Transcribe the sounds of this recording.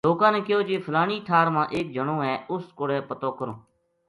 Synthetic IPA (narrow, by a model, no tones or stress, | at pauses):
loːkãːnẽːkɪjoːd͡ʒeːpʰəlaːɳiːt̪ʰaːɾmãːʔeːk̚d͡ʒəɳõːɦɛːʊskoɽeːpət̪oːkəɾõː